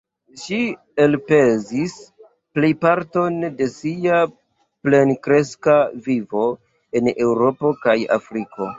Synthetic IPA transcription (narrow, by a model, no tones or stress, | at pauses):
ʃi | elpe̞zis | plejpaɾto̞nde̞sia | ple̞nkɾe̞skavivo̞ | e̞ne̞wɾo̞po̞kaja̰fɾiko̞̰